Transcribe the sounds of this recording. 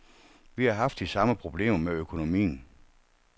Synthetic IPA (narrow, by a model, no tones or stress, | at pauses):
ʋihɑ̈ɦɑ̈fd̥isɑ̈məpʰʁo̝b̥le̝̰ːmɐmeøkʰo̝no̝mḭːn̩